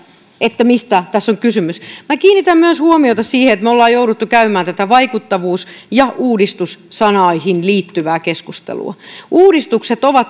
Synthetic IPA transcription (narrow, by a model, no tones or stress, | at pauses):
ʔet̪ːæmist̪æt̪æsːoŋkysymysmækiːnːit̪æmmyøshuomiot̪ɑssiːheet̪meolːɑːjouɾut̪ːukæymæːnt̪æt̪æʋɑikut̪ːɑʋuːsjɑʔuːdist̪ussɑnɑihinliːt̪ːyʋæːkeskust̪ḛlṵɑ̰uːdist̪ukset̪oʋɑt̪